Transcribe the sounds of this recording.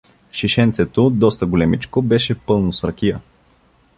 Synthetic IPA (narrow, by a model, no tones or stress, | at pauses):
ʃiʃɛnt̪sɛt̪od̪ɔst̪əɡolɛmit͡ʃkobɛʃɛpɤlˠnosɾɐkʲijə